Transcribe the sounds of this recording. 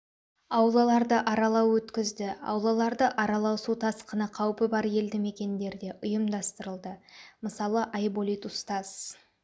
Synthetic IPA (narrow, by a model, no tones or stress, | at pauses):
ɑwlˠɑlˠɑɾd̪əʔɑɾɑlˠɑwwɵt̪kʲɪzd̪ɪɑ̰wlˠɑlˠɑɾd̪əʔɑɾɑlˠɑwsut̪ʰɑsqənəqʰɑwpəbɑɾje̞ld̪ɪme̞kʲe̞nd̪e̞ɾd̪e̞ʔʊjəmd̪ɑst̪əɾəlˠd̪əməsɑlˠəʔɑjbolʲit̪ʊst̪ɑz̥